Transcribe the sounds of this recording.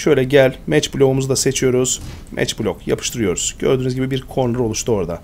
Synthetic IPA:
ʃø̞jlʲɛɟælʲmɛt͡ʃblʲo̞umuzud̪ase̞t͡ʃʰijo̞ɾuz̥ | mʔɛ̰t͡ʃblʲokja̰pʰɯ̥ʃt̪ʰɯɾɯjo̞ɾuz̥ɟø̰ɾd̪yːnyzɟibibiɾkʰo̞nˠuɾo̞lˠuʃt̪ʰuoɾd̪a

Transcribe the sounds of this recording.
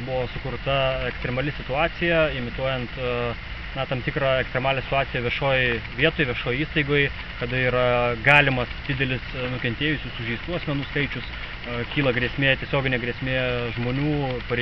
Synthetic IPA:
bʊʋoːsʊkʊɾt̪ɐɛkst̪ʲɾʲɛmɐlʲɪsʲɪt̪ʊɑːsʲɪjɛɪmʲɪt̪uɔjɛnt̪ | nɐt̪ɐmt̪ʲɪkɾɑɛkst̪ɾʲɛmɑːlʲɛsʲɪ̥t̪ʊɑːɪjɛʋʲɪɛʃoːjʋʲiɛt̪oːjʋʲiɛʃoːjiːst̪ɐɪɡoːj | kɐd̪ɐiːɾɐɡɑːlʲɪmɐsd̪ʲɪd̪ʲɛlʲɪsnʊkʲɛnʲt̪ʲeːjʊsʲʊsʊʒʲɛɪst̪uːɐsʲmʲɛnuːskɐɪt͡ʃʲʊs | kʲiːlˠɐɡɾʲiɛsʲmʲeːt̪ʲiɛsʲoːɡʲɪnʲeːɡɾʲeɛsʲmʲeːʒmoːnʲuːpɐɾʲ

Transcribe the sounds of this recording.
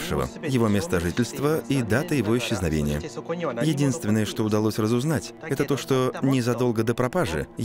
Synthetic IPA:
ʂɨvə̰jɪvo̞mʲe̞st̪əʐɨtʲɪlʲst̪vəid̪at̪əjɪvo̞ɪɕːɪznɐvʲḛnʲɪ̰jə̰jɪdʲinst̪vʲɪnːəjəʂt̪o̞ʊd̪ɐlˠosʲrəzʊznatʲɛt̪ət̪o̞ʂt̪o̞nʲɪzɐd̪o̞lˠɡəd̪əpɾɐpaʐɨ̰

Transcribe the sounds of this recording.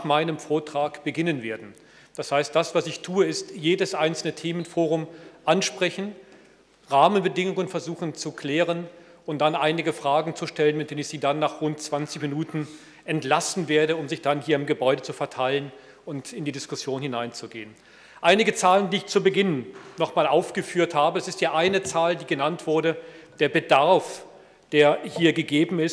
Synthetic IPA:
maɪnəmfoːɐtʁ̥aːkb̥əɡɪnənveːɐdn̩ | d̥ashaɪst̚d̥asv̥asɪçtʰuːəɪstjeːdəsʔaɪnt͡sl̩nətʰeːmənfoːʁ̞ʊmʔanʃpʁ̥ɛçn̩ | ʁaːmənbədɪŋʊŋənfɛɐzuːxn̩t͡sukl̥ɛːʁ̞ən | ʔʊnt̚d̥anʔaɪnɪɡəfʁ̥aːɡŋ̩t͡suʃtɛlənmɪt̚d̥eːnənɪçz̥iːdanːaːχʁʊnt̚t͡sv̥ant͡sɪçminuːtn̩ | ʔɛntlasn̩veːɐɾəʊmzɪçd̥anɦiːɐɪmɡəbɔʏdət͡sufɛɐtʰaɪlən | ʊntɪndiːdɪskʊsjoːnhɪnaɪnt͡suɡeːən | ʔaɪnɪɡət͡saːləndiːɪçt͡suɐbəɡɪnnɔχmaːlʔaʊfɡ̥əfyːɐthaːbəɛsɪsthiːɐʔaɪnət͡saːldiːɡənantv̥ʊɐɾəd̥eːɐbədaɐf | d̥eːɐhiːɐɡəɡeːbm̩ɪs

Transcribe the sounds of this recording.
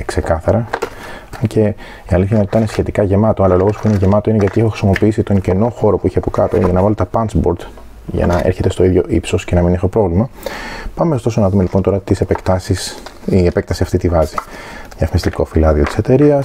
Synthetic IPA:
kse̞kɐθɐɾɐ | ɐce̞ | iɐliθçɐnɐt̪it̪ɐnesçe̞t̪ikɐʝe̞mɐt̪oɐlɐolo̞ɣo̞spuine̞ʝe̞mɐt̪o̞ineʝɐt̪iexoxɾi̥simo̞piisit̪o̞ɲceno̞xo̞ɾo̞puiçeɐpokɐt̪o̞̰ʝɐnɐvɐlet̪et̪ɐpɐnt͡sbo̞ɾd̪ | ʝɐ̰nɐʔḛɾçe̞t̪e̞st̪o̞iðʝo̞ʔipso̞sce̞nɐminexopɾo̞vlimɐpɐmest̪o̞sonɐðume̞lipont̪oɾɐt̪ise̞pekt̪ɐsisiepe̞k̚t̪ɐsiɐft̪it̪ivɐzijɐfmist̪iko̞filɐðio̞t̪i̥se̞t̪eɾiɐs

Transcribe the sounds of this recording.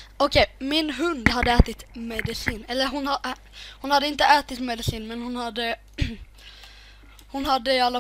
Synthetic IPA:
ɔkʰejmɪnɦɵnd̪ɦad̪ːəæːt̪ɪt̪mɛd̪ɪsiːnɛlːəɾɦʊn | hʊnhad̪ːəɪnt̪əʔæːt̪ɪt̪mɛd̪ɪsiːnmɛnhʊnhad̪ːə | hʊnhad̪ːəalːa

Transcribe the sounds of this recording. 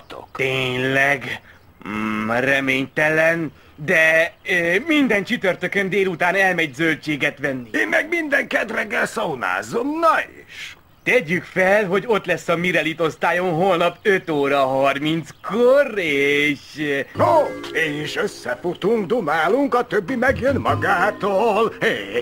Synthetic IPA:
t̪o̰kt̪eːɲlɛɡ | rɛmeːɲt̪ɛlɛn | d̪ɛ | mind̪ɛnt͡ʃyt̪ørt̪økønd̪eːlut̪aːnɛlmɛɟzølt͡ʃeːɡɛt̪ʋɛnːieːnmɛɡmind̪ɛŋkɛt̪rɛɡːɛlsowna̰ːzomnɒḭʃ | t̪ɛɟykfɛlɦo̞ɟo̞t̪lɛsːɒmiɾɛlit̪o̞st̪aːjo̞nɦolnɒpøt̪oːɾɒɦɒrmint̪skoreːʃoeːniʃøsːɛfut̪uŋkd̪umaːluŋkɒt̪øbːimɛɡjønmɒɡaːt̪oːleː

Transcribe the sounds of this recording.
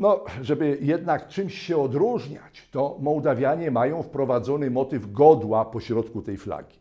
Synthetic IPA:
nɔʐɛbɘjɛd̪nakt͡ʂɘmɕɕɛɔd̪ɾuʐɲa̰t͡ɕt̪ɔmɔwd̪avʲjaɲɛmajɔ̃w̃fpɾɔvad̪zɔnɘmɔt̪ɘvɡɔd̪wapɔɕɾɔt̪kut̪ɛjfla̰ɡʲi̥

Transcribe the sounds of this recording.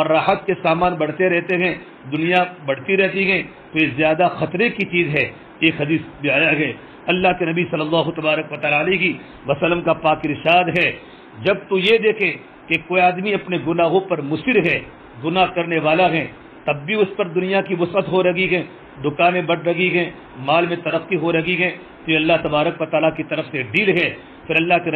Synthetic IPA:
ɔːɾːaːɦət̪̚kesaːmaːnbɐɽ̤t̪eɾɛɦt̪eɦɛ̃ | d̪ʊnijabɐɽ̤t̪iɾɛɦt̪iɦɛ̃ | t̪ojezjaːd̪axɐt̪ɾekit͡ʃiːzɦɛ | eːkɦɐd̪iːsbɪaːjaɡɐe | ɐlːaɦkenɐbisɐlːəlːaːɦut̪ɐbaːɾəkʋɐt̪aːlaːleiki | ʋɐsɐlːəmkapaːkɪɾʃaːd̪ɦɛː | d͡ʒɐb̚t̪ujed̪eːkʰe | kekoːiaːd̪miɐpneɡʊnaːɦõpɐɾmʊsɪɾɦɛː | ɡʊnaːɦkɐɾneʋaːlaɦɛː | t̪ɐbːiʊspɐɾd̪ʊnijakibʊsət̪ɦoɾɐɡiɡɛː | d̪ʊkaːnẽbɐɽɾɐɡiɡɛ | maːlmẽt̪ɐɾɐqːiɦoɾɐɡiɡɛ | t̪oɐlːaɦt̪ɐbaːɾəkʋɐt̪aːlakit̪ɐɾəfseɖiːlɡɛː | fʰɪɾɐlːaɦken

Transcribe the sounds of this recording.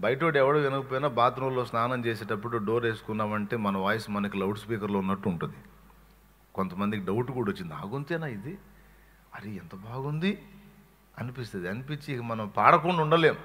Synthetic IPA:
bɐjʈoːʈiɛʋɐɽuʋenɐkɐp̬oːjinaːbaːt̪ɐnɐlo̞ːsnaːnɐmt͡ʃe̞ːs̬eːʈɐpːuɽuɖoːɾe̞ːsu̥kunːaːʋɐɳʈe̞ːmɐnɐʋaːjɐsumɐnɐkilɐwʈspiːkɐɾlo̞ːunːɐʈːuːɳʈund̪i | kont̪ɐmɐnd̪ikiɖɐwuʈːkuːɽɐot͡ʃːind̪aːɡunt̪eːnaːid̪i | ɐɾiɛnt̪ɐbaːɡund̪i | ɐnipist̪ɐd̪iɐnipit͡ʃːiːkɐmɐnɐmpaːɽɐkoɳɖɐuɳɖɐleːm

